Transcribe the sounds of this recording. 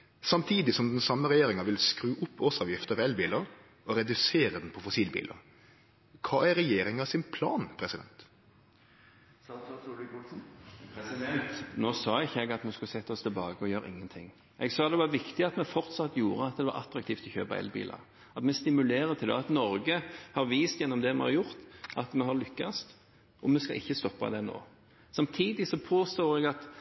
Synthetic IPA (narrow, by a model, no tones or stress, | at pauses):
sɑmt̪ʰiːd̪ɪsɔmd̪ɛnsɑmːəɾɛjeːɾɪŋɑʋɪlskɾʉːʔʊpʰːoːsɑːʋjɪft̪əɛlbiːləɾ | ɔɾɛd̪ʉseːɾəd̪ɛnpʰɔfɔsiːlbḭːlə̰ | kʰɑːæɾɾɛjeːɾɪŋɑsɪnpʰlɑːnpʰɾɛsɪd̪ɛ̰nt̪ | kʊlsn̩ | t̪noːsɑːɪçːəɛɡɑt̪mɛskʉləsɛt̪ːəɔst̪ʰɪlbɑːɡəɔjøːɾə̰ʔɪ̰ŋːənt̪ʰɪ̰ŋː | ʔɛɡsɑːd̪ɛʋɑɾʋɪkt̪ɪɑt̪mɛfɔʁt̪sɑt̪ːjuːɾəɑt̪̚d̪ɛʋɑɾʔɑ̰t̪ɾɑk̚t̪ʰiːft̪ʰɔçø̰ːpɑ̰ʔɛ̰lbḭːlʔɑ̰ | ɑt̪mɛst̪ɪmʉleːɾət̪ʰɪld̪ɛ̰ɑt̪nɔɾɡəhɑɾʋiːst̪jɛnːɔmd̪ɛmɛ̰hɑ̰ɾjʊʁt̪ʔɑt̪mɛɦɑɾlʏkːɑst̪ | ɔmɛskɑ̰ʔɪçːəst̪ɔpːɑ̰d̪ɛno̰ː | sɑmt̪ʰiːd̪ɪsɔpʰoːst̪oːɾɛɡɑt̪